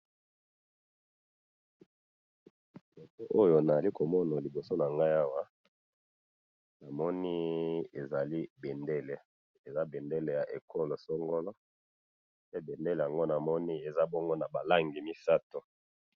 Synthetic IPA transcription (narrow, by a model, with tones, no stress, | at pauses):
mo˨to˦ʔo˦jo˨na˨za˨li˦ko˨mɔ˦na˨li˨bo˨so˦na˨ŋɡa˦ja˦wa˦ | na˨mɔ˦ni˦e˨za˨li˦be˨nde˦le˨ | e˨za˦be˨nde˦le˨ja˨ʔḛ˨kʰo˦lo˨so˦ŋɡo˦lo˦ | pe˦be˨nde˦le˨ja˨ŋɡo˦na˨mɔ˦ni˦e˨za˦bo˦ŋɡo˦na˨ba˨la˦ŋɡi˨mi˦sa˦to˨